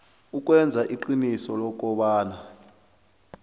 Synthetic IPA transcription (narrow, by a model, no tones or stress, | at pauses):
uk̬ʼwɛnd͡zʱaʔiǃinisɔlɔk̬ʼɔɓaːna